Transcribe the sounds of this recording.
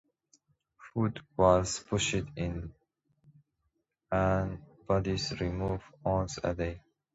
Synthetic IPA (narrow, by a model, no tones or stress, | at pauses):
fuːdwɔz̥pʰʊʃɪdɪ̃n | ənb̥ʌdizɹimuːvɔ̃nsə̰de